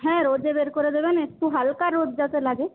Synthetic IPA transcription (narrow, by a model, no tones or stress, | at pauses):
ɦɛ̃ːɾoːd͡ʒebeːɾkoɾed̪eːbenet̪uɦalkaɾːoːd͡ʒd͡ʒat̪elaːɡe